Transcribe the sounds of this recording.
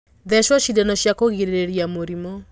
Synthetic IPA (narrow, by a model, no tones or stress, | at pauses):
ðɛʃɔʃidɛnɔʃjakoɣiɾeɾeɾiamoɾimɔ